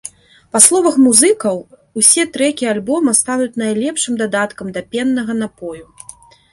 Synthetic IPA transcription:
paslˠɔvɐxmuzɨkɐw | usʲɛt̪ɾɛkʲialʲbɔmɐst̪anut͡sʲnajlʲɛpʂɨmd̪ad̪at̪kɐmd̪ɐpʲɛnːɐɣɐnapɔju

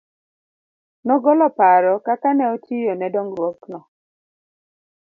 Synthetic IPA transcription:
nɔɡɔlɔpaɾɔkakanɛɔt͡ʃijɔnɛdɔŋɾwɔknɔ

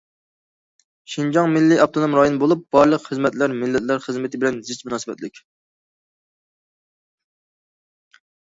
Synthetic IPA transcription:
ʃind͡ʒɑŋmɪlːɪɑp̚t̪ʰonomɾɑjonbolˠup̚b̥ɑɾlˠəqχəzmɛt̪læɾmɪlːɛt̪læɾχəzmɪt̪ʰɪbɪlɛnzɪt͡ʃmunɑːsɨbɛ̰t̪lɪkʲ

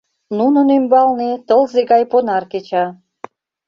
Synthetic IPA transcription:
nunə̆nymbɑlnet̪ɤlzeɡɑjponɑrket͡ɕɑ

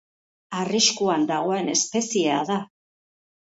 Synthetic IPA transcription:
ariskuand̪aɣ̞o̞e̞ne̞spe̞sieaða

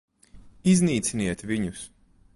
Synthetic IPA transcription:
izniːt̪siniɛt̪vʲiɲus

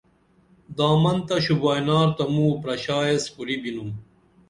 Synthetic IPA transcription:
d̪aːmɐnt̪ɐɕubaːjnaːɾt̪ɐmuːpɾɐɕaːeskuɾibinum

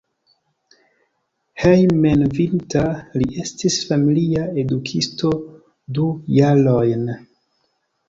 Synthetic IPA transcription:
hejmenvintaliʔe̞stisfamiliae̞dukʰisto̞ | dujalojn

